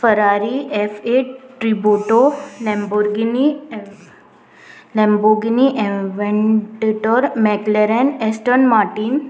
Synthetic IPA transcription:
fəɾaɾiʔefeʈʈɾibuʈolɛmboɾɡini | lɛ̃mboɡiniʔẽʋẽɳʈeʈoɾmɛkleɾẽnesʈəɾnmaɾʈiːn

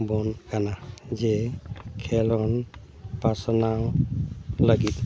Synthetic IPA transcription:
bɔnɡanazɛkʰɛlɔn | pasɔnaw | laɡit̪̚

